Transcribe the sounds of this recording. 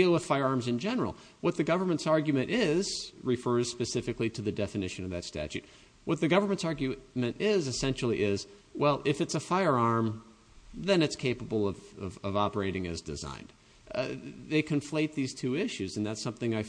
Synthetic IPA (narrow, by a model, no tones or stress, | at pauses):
ilˠwəð̥faɪə˞ɑɹmzɨ̃nd͡ʒɛnə˞l̩ˠ | wʌt̪̚ðɨɡʌvə˞mɨ̃ntsɑɹɡjɨmɨ̃ɾ̃ʔɪz̥ɹɨfɜ˞z̥spɨsɪfɨkliɾɨðɨdɛfɨnɪʃɨ̃nʌvðɨtstæ̰t͡ʃʉ̰t̚ | wʌt̪̚ðɨɡʌvə˞mɨ̃ntsɑɹɡjɨmɨ̃ntɪzɨsɛ̃nʃl̩ˠiʔɪz | wɛlˠɪfɨtsəfaɪə˞ɑɹm | ðɨ̃nɨtskʰeɪpəbl̩ˠʌvʌ̰vʌvɑpə˞eɪɾɪ̃ŋɨ̰zdɨ̰zã̰ɪ̃nd̥ | ðeɪkʰɨ̃ɱfleɪt̪̚ðiz̥tʰʉɪʃʉzɨn̩ðætsʌ̃mθɪ̃ŋaɪ